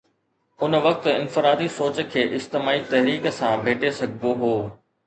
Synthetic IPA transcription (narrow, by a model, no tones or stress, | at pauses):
ʊnʋɐk̚t̪ɪ̃nfɪɾaːd̪isoːt͡ɕkʰeːʔɪst̪ɪmaːit̪ɐɦɾiːksãbʱeːʈesɐɡʱɡoɦoː